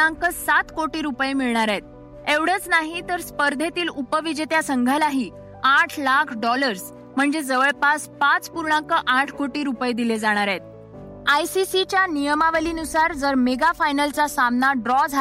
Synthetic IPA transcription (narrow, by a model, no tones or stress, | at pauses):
aŋkəsat̪koʈiːɾupəjemiɭɳaɾet̪̚ | eʋɽ̤ət͡snaɦit̪əɾspəɾd̪ʱet̪iːlupəʋid͡ʑet̪jasəŋɡʱalaɦiː | aʈʰlakʰɖɔləɾs | m̤əɳd͡zed͡zəʋəɭpaspat͡spuɾɳãŋkəʔaʈʰkoʈiːɾupəjd̪iled͡zaɽ̃aɾet̪̚ | ajsisit͡ɕjanijəmaʋəliːnusaɾd͡zəɾmeɡafajnəlt͡sasamnaɖɾɔd͡zʱa